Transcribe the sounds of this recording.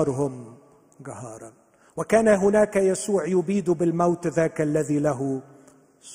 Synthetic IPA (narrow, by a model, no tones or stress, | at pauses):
ɑɾˤɦʊm | ɡahɑːɾˤɑn | wakaːnaɦʊnaːkajasuːʕjʊbiːd̪bɪlmawt̪ðaːklːaðilaɦʊ | s